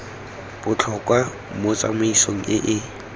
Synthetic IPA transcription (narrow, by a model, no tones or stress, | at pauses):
b̥ʊt͡ɬʰɔkʼwa | mʊt͡sʼa̰mʊisoŋ̩ɪʔɪ